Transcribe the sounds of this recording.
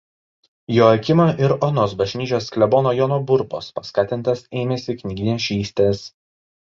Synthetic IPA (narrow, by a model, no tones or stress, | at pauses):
joːɐkʲɪmoʔɪɾɔnoːs̬bɐʒʲnʲiːt͡ʃʲoːsklʲɛboːnoːjoːnobʊɾboːspɐskɑːt̪ʲɪnˑt̪ɐseːmʲɛsʲɪknʲɪɡʲɪnʲeɛsʃʲiːsʲt̪ʲeːs